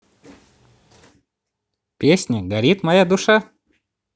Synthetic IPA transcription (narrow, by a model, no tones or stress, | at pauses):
pʲesʲnʲəɡɐɾʲit̪mɐjad̪ʊʂa